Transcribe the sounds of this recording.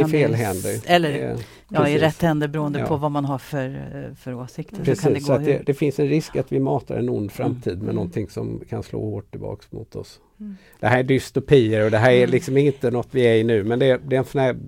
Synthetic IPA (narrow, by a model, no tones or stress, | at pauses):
ɪfeːlɦɛnd̪əɾɛlːəɾ | pɑsɪɾɛt̪ːhɛnd̪əɾbɾuːənd̪̰pːʰɔvamanɦafœɾfœɾoːsɪk̚t̪əpɾɛsiːd̪ɛɔat̪d̪ɛd̪ɛfɪnsɛnɾɪskkat̪vɪmɑːt̪ʰa̰ɾɛ̰nʊnd̪fɾamt̪ʰiːd̪mɛnɔnt̪ʰɪŋsɔmkʰanslo̰ːhoːʈʰːɪlbɑ̰ːksmʊt̪ʰɔ̰s | d̪̥ɛɦæːɾæɖʏst̪ʊpʰiːəɾɔd̪ɛɦæːɾælɪksɔmɪnt̪ənɔt̪ːvɪæɾɪnʉ̟ːmɛnd̪ɛd̪ɛɛnsɔnæːɾ